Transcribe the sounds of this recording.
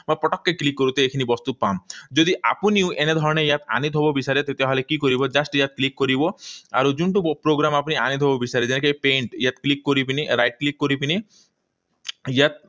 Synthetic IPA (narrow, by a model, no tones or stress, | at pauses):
mãpɔʈɔkːeklikːoɾut̪eekʰinibɔst̪upamd͡ʒod̪iʔa̰puniuʔened̪ʱɔɾɔñejat̪a̰nit̪ɦobobisaɾet̪et̪eaɦɔlekikoɾibɔd͡ʒasʈjat̪̚klikːoɾiboa̰ɾud͡ʒuɳʈupɾoɡɾamapunianit̪ɦobobisaɾed͡ʒenek̬ipeɳʈjat̪klikːoɾipiniɾajʈ̚klikːoɾipini | jat̪̚